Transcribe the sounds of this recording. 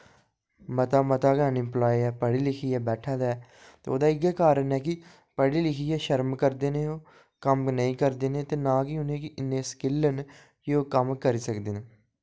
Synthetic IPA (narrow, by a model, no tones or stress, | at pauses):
mət̪aːmət̪aːɡaːnɪmplaːiɛːpəɽiːlɪkʰiːɛːbɛːʈʰaːd̪aɛː | t̪eːo̰ːd̪aːɪɡɛːkaːɾənɛːk̬ɪ | pəɽiːlɪkʰiːɛːʃəɾmkəɾd̪eːneːoː | kəmnəĩːkəɾd̪eːnẽːt̪eːnãːkiʊnẽːkɪʔɪnːẽːskɪlːən | jeoːkəmkəɾiːsəkd̪eːneː